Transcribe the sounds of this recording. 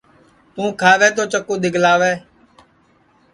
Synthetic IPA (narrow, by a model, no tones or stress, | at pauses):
t̪ũːkʰaːʋɛːt̪oːt͡ʃəkũːɗ̪ɪɡʱlaːʋɛː